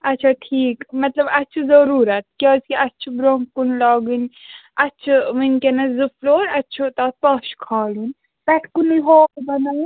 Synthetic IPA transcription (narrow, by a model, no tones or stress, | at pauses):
ɐtːt͡ʃʰaʈʰiːkmɐt̪lɐbɐt͡ʃʰuzɐɾuːɾɐt̪̚kʲaːskiʔɐtːt͡ʃʰubɾoŋkunlaːɡɨnɐtːt͡ʃʰumɨnkenɐzɨfʰloːɾɐtːt͡ʃʰut̪aːt̪̚paʃkʰaːlun | pɐʈʰkuniɦoːkbɐna